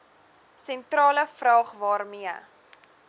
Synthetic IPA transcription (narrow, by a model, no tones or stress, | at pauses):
sɛntrɑːləfrɑːχvɑːrmiə